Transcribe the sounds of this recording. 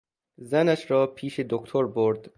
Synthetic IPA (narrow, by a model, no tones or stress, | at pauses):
zænæʃɾɒːpʰiːʃe̞d̪okt̪ʰoɾboɾd̪̥